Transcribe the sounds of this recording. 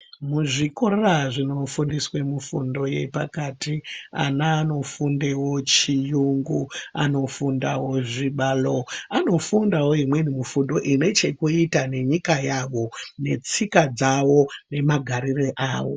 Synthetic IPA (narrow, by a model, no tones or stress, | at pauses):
muʐiko̞reraʐino̞fundiswemufundo̞je̞̰pakatia̰naːno̞fundewot͡ʃijuŋɡua̰no̞fundawo̞ʐiɓaːlo̞ano̞fundawo̞imwe̞nimufundo̞ʔine̞t͡ʃe̞kuitane̞ɲikajaʋo̞ne̞t͡sikad͡zawo̞ne̞maɡʱaɾireʔaːwo̞̰